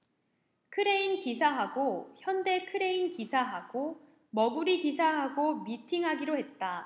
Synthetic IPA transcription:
kʰɯɾe̞inkisʰaɦaɡoçjʌnde̞kʰɯɾe̞inkisʰaɦaɡ̥o | mʌɡuɾikisʰaɦaɡomitʰiŋɦaɡiɾoɦe̞t̚t͈a

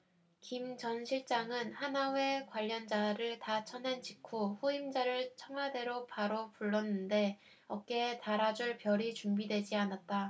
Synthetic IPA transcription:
kimt͡ɕʌnɕʰiɭt͡ɕ͈aŋɯnhanawe̞kwaʎːʌnd͡ʑaɾɯɭtat͡ɕʰʌnend͡ʑikʰoɸuimd͡ʑaɾɯɭt͡ɕʰʌŋɦwade̞ɾopaɾopuɭːʌnːɯnde̞ | ʌk͈e̞taɾad͡ʑuɭpjʌɾit͡ɕuŋbidwe̞d͡ʑianat̚t͈a

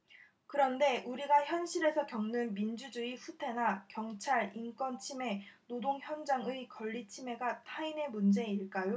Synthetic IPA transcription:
kɯɾʌnde̞ʔuɾiɡaçjʌnɕʰiɾe̞sʰʌkjʌŋnɯnmind͡ʑud͡ʑuiɸutʰe̞nakjʌŋt͡ɕʰaɾink͈wʌnt͡ɕʰime̞nodoŋçjʌnd͡ʑaŋɯikʌʎːit͡ɕʰime̞ɡatʰaine̞mund͡ʑe̞iɭk͈ajo

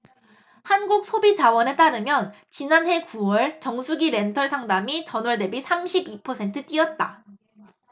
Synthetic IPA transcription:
hanɡuk̚sʰobit͡ɕawʌnet͈aɾɯmjʌn | t͡ɕinanɦe̞kuwʌɭt͡ɕʌŋsʰuɡiɾe̞ntʰʌɭsʰaŋdamit͡ɕʌnwʌɭde̞bisʰamɕʰibipʰʌsʰe̞ntʰɯt͈iʌt̚t͈a̰

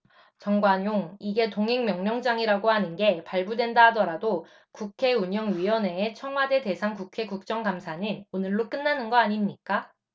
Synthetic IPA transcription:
t͡ɕʌŋɡwaɲjoŋiɡe̞toŋɦeŋmjʌŋɲʌŋd͡ʑaŋiɾaɡohanɯnɡe̞paɭbudwe̞ndaɦadʌɾado | kukʰe̞uɲʌŋɥiʌne̞ːt͡ɕʰʌŋɦwade̞de̞sʰaŋkukʰe̞kuk̚t͡ɕ͈ʌŋɡamsʰaɲinonɯɭːok͈ɯnːanɯnɡʌaɲimɲik͈a

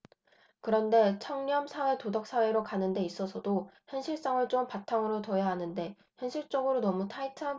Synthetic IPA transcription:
kɯɾʌnde̞t͡ɕʰʌŋɲʌmsʰawe̞todʌk̚s͈awe̞ɾokanɯnde̞is͈ʌsʰʌdoçjʌnɕʰiɭs͈aŋɯɭt͡ɕ͈ompatʰaŋɯɾotʌjaɦanɯnde̞ | çjʌnɕʰiɭt͡ɕ͈ʌɡɯɾonʌmutʰaitʰa

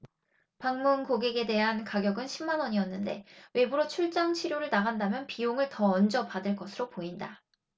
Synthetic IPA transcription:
paŋmunkoɡeɡe̞de̞ɦankaɡjʌɡɯnɕʰimːanʌɲiʌnːɯnde̞we̞buɾot͡ɕʰuɭt͡ɕ͈aŋt͡ɕʰiɾjoɾɯɭnaɣandamjʌnpioŋɯɭtʌʌnd͡ʑʌpadɯɭk͈ʌsʰɯɾopoinda

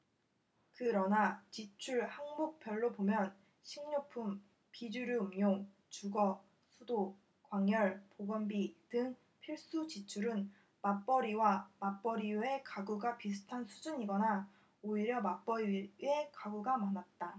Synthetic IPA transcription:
kɯɾʌnat͡ɕit͡ɕʰuɭhaŋbuk̚p͈jʌɭːopomjʌn | ɕʰiŋɲupʰum | pid͡ʑuɾuumɲoŋ | t͡ɕuɡʌ | sʰudo | kwaŋjʌɭpoɡʌnbidɯŋ | pʰiɭs͈ut͡ɕit͡ɕʰuɾɯn | map͈ʌɾiwamap͈ʌɾie̞kaɡuɡapisʰu̥tʰansʰud͡ʑuɲiɡʌna | oiɾjʌmap͈ʌɾiekaɡuɡamanat̚t͈a

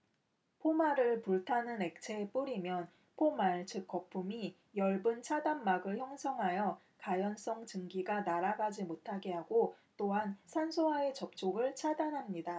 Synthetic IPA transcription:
pʰomaɾɯɭpuɭtʰanɯne̞k̚t͡ɕʰe̞p͈uɾimjʌn | pʰomaɭt͡ɕʰɯk͈ʌp͈ʰumi | jʌɭbɯnt͡ɕʰadamːaɡɯɭçjʌŋsʰʌŋɦajʌ | kajʌns͈ʌŋt͡ɕɯŋɡiɡanaɾaɡad͡ʑimotʰaɡe̞ɦaɡot͈oɦansʰansʰoɦae̞t͡ɕʌp̚t͡ɕ͈ʰoɡɯɭt͡ɕʰadanɦamɲida

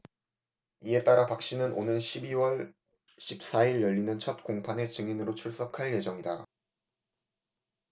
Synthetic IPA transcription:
ie̞t͈aɾapak̚ɕ͈inɯnʔonɯnɕʰibiwʌɭ | ɕʰip̚s͈aiɾjʌʎːinɯnt͡ɕʰʌt̚k͈oŋpʰane̞t͡ɕɯŋinɯɾot͡ɕʰuɭs͈ʌkʰaɭje̞d͡ʑʌŋida

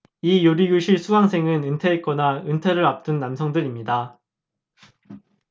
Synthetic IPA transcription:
ijoɾiɡjuɕʰiɭsʰuɡaŋsʰe̞ŋɯnɯntʰeːk͈ʌnaɯntʰeɾɯɾap̚t͈ɯnːamsʰʌŋdɯɾimɲida

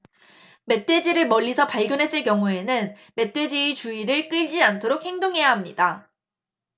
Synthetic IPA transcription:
me̞t͈ʰe̞d͡ʑiɾɯɭmʌʎːisʰʌpaɭɡjʌnɦe̞s͈ɯɭkjʌŋue̞nɯn | me̞t͈we̞d͡ʑiːt͡ɕuiɾɯɭk͈ɯʎd͡ʑiantʰoɾok̚he̞ŋdoŋɦe̞jaɦamɲida

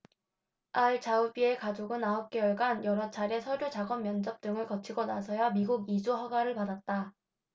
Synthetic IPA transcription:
aɭt͡ɕaubie̞kad͡ʑoɡɯnaɦʌp̚k͈e̞jʌɭɡanjʌɾʌt͡ɕʰaɾe̞sʰʌɾjut͡ɕaɡʌmjʌnd͡ʑʌp̚t͈ɯŋɯɭkʌt͡ɕʰiɡonasʰʌjamiɡuɡid͡ʑuɦaɡaɾɯɭpadat̚t͈a

